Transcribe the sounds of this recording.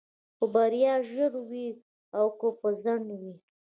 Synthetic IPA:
pəbaɾijɑʒəɽwi | awkopəzaɳwi

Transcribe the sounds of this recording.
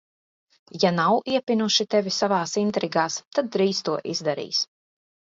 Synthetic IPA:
janawiɛpinuʃit̪ɛvʲisavaːsint̪ɾiɡaːst̪ad̪̚ːɾiːst̪uɔʔḭzd̪aɾḭːs

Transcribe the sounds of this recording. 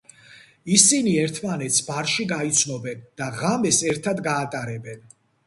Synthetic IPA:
isiniɛɾt̪ʰmanɛt̪sʰbaɾʃiɡait̪sʰnɔbɛnd̪̥aʁamɛsɛɾt̪ʰad̪ɡaːt̪ʼaɾɛbɛn

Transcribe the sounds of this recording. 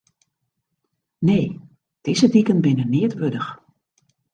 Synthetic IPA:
neː | d̥ɪzədikənbɪnənɪətʋødəx

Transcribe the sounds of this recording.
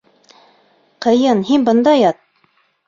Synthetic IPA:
qɤ̆jɤnɦinbɤ̆nd̪ɑjɑt̪̚

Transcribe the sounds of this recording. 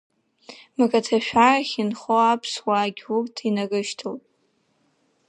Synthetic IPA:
makʼatʰaʃᶣaraχʲinχoapʰswaɡʲurtʰinaɡɨʃtʰowtʼ

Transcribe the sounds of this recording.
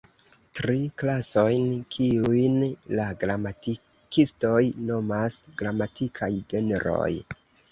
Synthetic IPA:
tɾiklaso̞jnkʰiujnlaɡɾamati | kisto̞jno̞masɡɾamatʰikʰajɡe̞neɾo̞̰j

